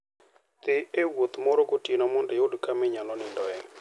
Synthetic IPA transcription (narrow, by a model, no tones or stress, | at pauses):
t̪ɪewot̪mɔɾɔɡotinɔmɔndɛodkamɪɲɔlɔnɪndɔɛ